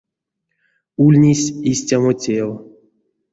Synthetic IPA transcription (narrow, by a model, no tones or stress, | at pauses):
ulʲnʲisʲisʲtʲamotʲel